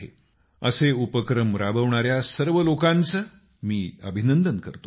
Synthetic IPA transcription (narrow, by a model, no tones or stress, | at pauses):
ɦḛ | ə̰seupəkɾəmɾabəʋɳaɾjasəɾʋəlokãnt͡sə | miːəbʱinənd̪ənkəɾt̪o